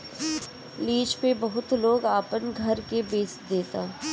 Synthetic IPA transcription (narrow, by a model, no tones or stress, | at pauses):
liːd͡ʒpebɐɦʊt̪loːɡaːpənɡʱɐɾkebeːsd̪eːt̪aː